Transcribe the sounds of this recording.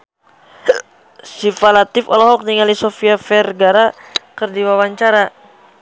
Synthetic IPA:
sifalat̪ɪfɔlɔɦɔk̚niŋalisofiafɛrɡaɾakərdiwawaɲt͡ʃaɾa

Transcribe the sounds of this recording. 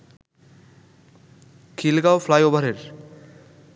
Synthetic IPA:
kʰilɡawflajobʱaɾeɾ

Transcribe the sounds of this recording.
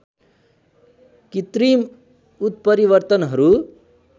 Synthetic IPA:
kit̪ɾim | ut̪̚pʌɾiβʌɾt̪ʌnɦʌɾu

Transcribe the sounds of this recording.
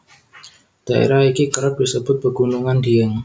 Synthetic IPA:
d̥aʔḛɾahikikəɾat̪̚d̥isəbʊt̪̚b̥əɡunuŋandiəŋ

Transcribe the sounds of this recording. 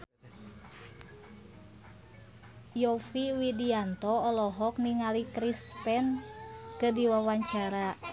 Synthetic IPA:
jɔfiwidiant̪ɔːlɔɦɔkniŋalikɾispɛnkɨdiwawaɲt͡ʃaɾa

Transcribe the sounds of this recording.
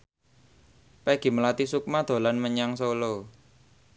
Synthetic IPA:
pɛɡ̥i̤məlat̪isuk̚mad̪̥o̤lanməɲaŋsolo

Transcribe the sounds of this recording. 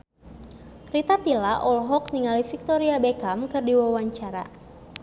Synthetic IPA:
rit̪at̪ilaʔɔlɦɔkniŋalifik̚t̪ɔɾiabɛkamkɨrdiwawaɲt͡ʃaɾa̰

